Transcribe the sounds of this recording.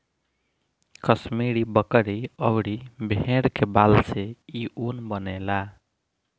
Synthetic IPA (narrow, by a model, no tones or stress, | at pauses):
kəsmeɽibəkəɽiʌwɽibʱeɽkebalseiʔunbənela